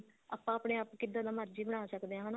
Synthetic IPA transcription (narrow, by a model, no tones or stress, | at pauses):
a̰ːpːãːapɽeːaːpkɪd̪ːaːd̪aːməɾd͡ʒiːbəɽ̃aːsəkd̪eːɦãːɦən